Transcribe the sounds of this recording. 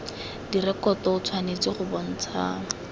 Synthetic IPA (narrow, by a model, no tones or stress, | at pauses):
dirɛkɔtɔʊt͡sʰwanet͡siχʊbɔn̩t͡sʰa̰ːŋa